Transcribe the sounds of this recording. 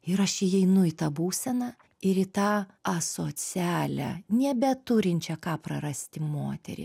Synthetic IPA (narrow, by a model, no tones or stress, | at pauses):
ɪɾɐʃɪjɛɪnʊɪt̪ɑːbuːsʲɛnɑː | ɪɾɪt̪ɑːɐsoːt͡sʲæːlʲæ̰nʲɛbʲɛt̪ʊɾʲɪnʲt͡ʃʲɛkɑːpɾɐɾɐsʲt̪ʲɪmoːt̪ʲɛ̰ɾʲɪ̰